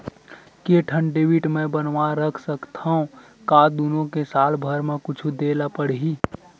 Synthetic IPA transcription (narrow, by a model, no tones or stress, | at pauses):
keʈʰəɳɖeʋiʈmẽbənʋaɾəkʰsəkt̪ʰaũ | kaːd̪unõkesaːlbʱəɾmẽkʊt͡ʃʰud̪eːlapəɽ̤ɦi